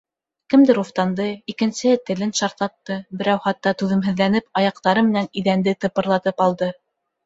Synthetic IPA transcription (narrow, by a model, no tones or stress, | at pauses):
kɘ̆md̪ɘɾuft̪ɑnd̪ɤikɘ̆nsɘ̆hɘt̪ɘ̆lɘnʃɑɾt̪lˠɑt̪ːɤbɘ̆ɾæwχɑt̪ːɑt̪ʉðɘ̆mɦɘ̆ðlænɘpɑjɑq̚t̪ɑɾɤmɘ̆næniðænd̪ɘt̪ɤ̆pɤ̆ɾlˠɑt̪ɤpɑlˠd̪ɤ